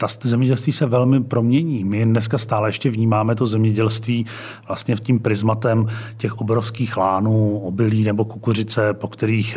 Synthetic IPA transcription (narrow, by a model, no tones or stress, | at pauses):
t̪aszɛmɲɛɟɛlst̪viːsɛvɛlmɪpɾo̞mɲɛɲiːmɪdnɛskast̪aːlɛjɛʃcɛvɲiːmaːmɛt̪o̞zɛmɲɛɟɛlst̪viː | vlast̪ɲɛtciːmpɾɪzmat̪ɛmcɛxʔobɾofskiːxlaːnuːobɪliːnɛbo̞kukur̝ɪt͡sɛpo̞kt̪ɛɾiːx